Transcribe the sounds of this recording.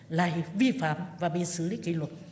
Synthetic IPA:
laː˨˧˩vi˧fa̰ː˧˨mvaː˨˩ɓḭ˧˨sɨ˨˧˦li˨˦ki˧˦lwə˨˩t̚

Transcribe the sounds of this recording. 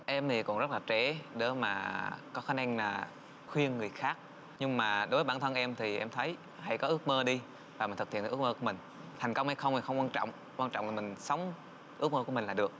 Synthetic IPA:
ʔɛ˧mt̪ʰi˨˩kʊ̰˧˥ŋ͡mzə˦˥t̚laː˨˩t͡ɕɛ˧˩ɗə˨˦maː˨˩kɔ˨˦xaː˨˦˥nʔa˧ŋlaː˨˩ | xwi˧ənŋɨ˨˩əjxaː˦˥k̚ | ɲɨ˧ŋmaː˨˩ɗo˨˦vəː˨˦ɓaː˧˩nt̪ʰə˧nʔɛ˧mt̪ʰi˨˩ʔɛ̰˧mt̪ʰə˨˦j | ha̰˧˩jkɔ˨˦ʔɨ˦˥ək̚məː˧ɗi˧ | vaː˨˩m̟˨˩t̪ʰt̪i˧˨nʰ˨ɨ˦˥kməː˧ku˧˩mï˨˩ŋ̟ | t̪ʰɛ˨˩ŋ̟kə˧wŋ͡mha˧jxə˧wŋ͡mmi˨˩xə˧wŋ͡mkwaː˧nt͡ɕɔ̰˧˨wŋ͡m | kwaː˧nt͡ɕɔ̰˧˨wŋ͡mlaː˨˩mï˨˩ŋ̟sə˨˦wŋ͡m | ʔɨ˦˥ək̚məː˧ku˧˩əmï˨˩ŋlːɗɨ˨˩ək̚

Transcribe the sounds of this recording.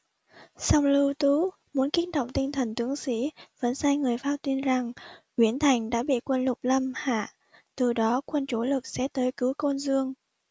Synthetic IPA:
sa˧wŋ͡mlɨ˧wt̪u˨˦ | mu˨˦ənki˨˦˥ən̚ɗə̰˧˨wŋ͡mt̪i˧ŋ̟t̪ʰə˨˩nt̪ɨ˨˦əŋsḭ˧˥və̰˧˥nsaː˧jŋɨ˨˩əjfaː˧t̪i˧nza˨˩ŋkwi˨˩ənt̪ʰa˨˩jŋ̟ɗa̰ː˧˥ɓḭ˧˨kwə˧nlʊ˨˩k͡p̚lə˧mha̰ː˧˨ | t̪ɨ˨˩ɗɔ˨˦kwə˧nt͡ɕo˧˦lɨ˨˩k̚sɛ̰˧˥t̪əː˨˦jkɨ˨˦wko˧nzɨ˧əŋ

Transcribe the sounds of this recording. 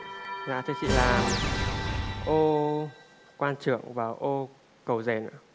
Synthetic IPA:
za̰ː˧˨˩t̪ʰe˧˩t͡ɕḭ˧˨laː˨˩m | ʔo˧ | kwaː˧nt͡ɕɨ̰˧˨əŋvaː˨˩wʔo˧ | kə˨˩wze˨˩nɨ̰˧˥

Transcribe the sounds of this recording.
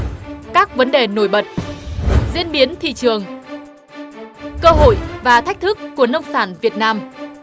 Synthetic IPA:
kaː˦˥k̚və˨˦nɗe˨˩no˧˩jɓə˨˩t̚ | zi˧ənɓi˨˦ənt̪ʰḭ˧˨t͡ɕɨ˨˩əŋ | kəː˧ɦo̰˧˨jvaː˨˩t̪ʰa˦˥k̚t̪ʰɨ˦˥kːu˧˩ənə˧wŋ͡msaː˧˩nvi˨˩ət̚naː˧m

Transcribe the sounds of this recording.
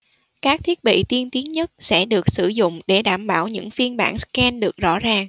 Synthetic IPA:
kaː˦˥k̚t̪ʰi˦˥ət̚ɓḭ˧˨t̪i˧ənt̪i˨˦ənɲə˦˥t̚sɛ̰˧˥ɗɨ˨˩ək̚sɨ˧˩zʊ̰˧˨ŋ͡mɗe˧˩ɗaː˧˩mɓaː˧˩wɲɨ̰˧˥ŋfi˧ənɓaː˧˩nskɛ˧nɗɨ˨˩ək̚zɔ̰˧˥zaː˨˩ŋ

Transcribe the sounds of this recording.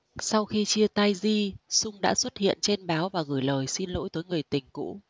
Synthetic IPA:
sa˧wxi˧t͡ɕi˧ət̪a˧jzi˧sʊ˧ŋ͡mɗa̰ː˧˥swə˦˥t̚hḭ˧˨ənt͡ɕe˧nɓaː˨˦wvaː˨˩ɣɨː˧˩jləː˨˩jsi˧nlo̰˧˥jt̪əː˨˦jŋɨ˨˩əjt̪ï˨˩ŋ̟kṵ˧˥

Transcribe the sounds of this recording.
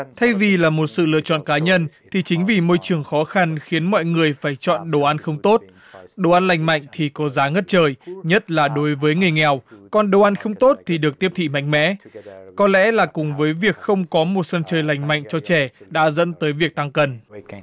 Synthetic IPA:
t̪ʰa˧jvi˨˩laː˨˩mo˨˩t̚sɨ̰˧˨lɨ̰˧˨ət͡ɕɔ̰˧˨nkaː˨˦ɲə˧nt̪ʰi˨˩t͡ɕï˨˦ŋ̟vi˨˩mo˧jt͡ɕɨ˨˩əŋxɔ˨˦xa˧nxi˨˦ənmɔ̰˧˨jŋɨ˨˩əjfaː˧˩jt͡ɕɔ̰˧˨nɗo˨˩ʔa˧nxə˧wŋ͡mt̪o˦˥t̚ | ɗo˨˩ʔa˧nla˨˩jŋ̟ma̰˧˨jŋ̟t̪ʰi˨˩kɔ˨˦zaː˨˦ŋə˦˥t̚t͡ɕəː˨˩jɲə˦˥t̚laː˨˩ɗo˨˦jvəː˨˦jŋɨ˨˩əjŋɛ˨˩wkɔ˨˩nɗo˧˩ʔa˧nxə˧wŋ͡mt̪o˦˥t̚t̪ʰi˨˩ɗɨ˨˩ək̚t̪i˦˥əpt̪ʰi˧˨ma̰˧˨jŋ̟mɛ̰˧˥kɔ˨˦lɛ̰˧˥laː˨˩kʊ˨˩ŋ͡mvəː˨˦jvi˨˩ək̚xə˧wŋ͡mkɔ˨˦mo˨˩t̚sə˧nt͡ɕəː˨˩jla˨˩jŋ̟ma̰˧˨jŋ̟t͡ɕɔ˧t͡ɕɛ˧˩ɗa̰ː˧˥zə̰˧˥nt̪əː˨˦jvi˨˩ək̚t̪a˧ŋkə˨˩n

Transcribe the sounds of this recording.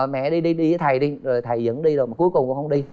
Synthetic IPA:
mɛ̰˧˨ɗi˧ɗi˧ɗi˧əː˨˦jt̪ʰa˨˩jɗi˧zo˨˩jt̪ʰa˨˩jzɨ̰˧˥nɗi˧zo˨˩jmaː˨˩ku˨˦əjkʊ˨˩ŋ͡mkʊ̰˧˥ŋ͡mhə˧wŋ͡mɗi˧

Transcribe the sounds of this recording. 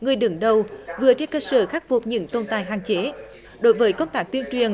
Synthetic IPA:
ŋɨ˨˩əjɗɨ˨˦ŋɗə˨˩wvɨ˨˩ət͡ɕe˧nkəː˧səː˧˩xaː˦˥k̚vu˨˩p̚ɲɨ̰˧˥ŋt̪o˧nt̪aː˨˩jɦaː˨˩ŋt͡ɕe˨˦ | ɗo˧˦jvəː˨˦jkə˧wŋ͡mt̪aː˦˥k̚t̪i˧ənt͡ɕwi˨˩ən

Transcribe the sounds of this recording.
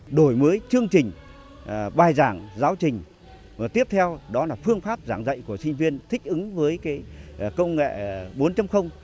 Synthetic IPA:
ɗo˧˩jməː˨˦jt͡ɕɨ˧əŋt͡ɕï˨˩ŋ̟˩ | ɓaː˨˩jzaː˧˩ŋzaː˨˦wt͡ɕï˨˩ŋ̟ | maː˨˩t̪i˦˥əp̚t̪ʰɛ˧wɗɔ˨˦laː˨˩fɨ˧əŋfaː˦˥p̚zaː˧˩ŋzə̰˧˨jku˧˩əsï˧ŋ̟vi˧ənt̪ʰï˦˥k̟̚ʔɨ˨˦ŋvəː˨˦jkaː˨˦jkə˧wŋḛ˧˨ɓo˨˦nt͡ɕa˧mxə˧wŋ͡m

